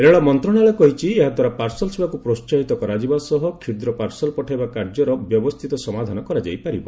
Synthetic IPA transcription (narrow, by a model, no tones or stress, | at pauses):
ɾeɭɔmɔnt̪ɾɔɽ̃aɭekɔɦit͡ʃʰieɦad̪ʱwaɾapaɾsɔlɔsebakupɾost͡ʃaɦit̪ɔkɔɾad͡ʒibasɔɦɔkʰiɾd̪ɾɔpaɾsɔlɔpɔʈʰajbakaɾd͡ʒɔɾɔbjɔbɔst̪ʰit̪ɔsɔmad̪ʱanɔkɔɾad͡ʒa̰jpaɾibɔ